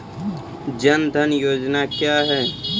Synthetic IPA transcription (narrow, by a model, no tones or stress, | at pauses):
d͡ʒənd̪ʱənjoːd͡ʒnakjaːɦɛː